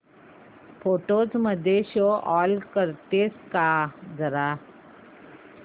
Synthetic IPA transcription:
pʰoːʈoːzməd̪ʱeʃoʔɔːlkəɾt̪eːskazəɾaː

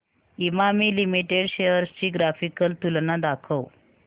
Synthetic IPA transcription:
imamiːlimiʈeɽɕejəɾst͡ɕiːɡɾafikəlt̪ulnad̪akʰəw

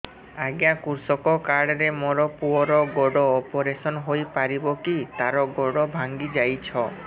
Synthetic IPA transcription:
aɡjakuɾsɔkɔkaɽɔɾemɔɾɔpuɔɾɔɡɔɽɔːpɔɾesɔnɦojpaɾibɔkit̪aɾɔɡɔɽɔbʱaŋɡid͡ʒajt͡ʃʰɔ

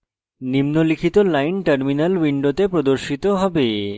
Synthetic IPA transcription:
nimnolikʰit̪olajnʈəɾminəlwiɳɖot̪epɾod̪oɾʃit̪oɦɔbe

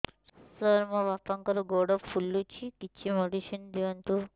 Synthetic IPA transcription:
sɐɾmɐʋɐpɐŋkɐɾuɡoːɽɐpʰulːut͡ʃikit͡ʃʰːimoɖiʃɐnd̪iʋɐnt̪u

